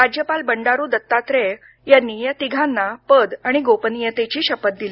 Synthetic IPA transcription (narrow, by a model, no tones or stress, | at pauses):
ɾad͡ʑjəpalbəɳɖaɾuːd̪ət̪ːat̪ɾe | janːiːjat̪iɡʱãnːapəd̪aɽ̃iɡopənijət̪et͡ɕiːɕəpət̪̚d̪ili